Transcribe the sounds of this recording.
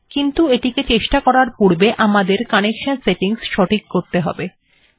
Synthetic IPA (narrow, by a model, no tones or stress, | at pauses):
kint̪ueʈiket͡ɕeʃʈakɔɾaɾpuɾbeʔamad̪eɾkanekʃanseʈiŋsʃɔʈʰikːoɾt̪eɦɔ̰be